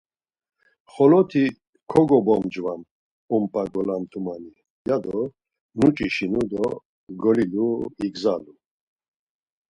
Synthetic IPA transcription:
χɔlɔt̪ʰi | kʰɔɡɔbɔmd͡ʒvan | ɔmpʼaɡɔlamt̪ʰumani | jad̪ɔ | nut͡ʃʼiʃinud̪ɔ | ɡɔliluiɡzalu

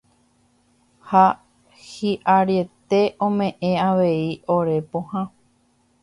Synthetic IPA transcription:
ha | hiʔaɾje̞t̪e̞ʔõmẽ̞ʔẽaʋe̞ioɾe̞põhã

